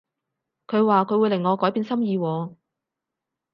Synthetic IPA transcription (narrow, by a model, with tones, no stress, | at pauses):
kʰɵ˨˧ɥwaː˨kʰɵ˨˧ɥwuː˨˧jlɪ˨˩ŋːɔː˨˧kɔː˨˥jpiː˨˧˥nsɐ˥mjiː˨˧wɔː˨˧